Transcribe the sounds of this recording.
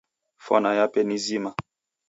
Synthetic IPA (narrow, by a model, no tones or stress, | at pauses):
fɔ̰najapɛnizima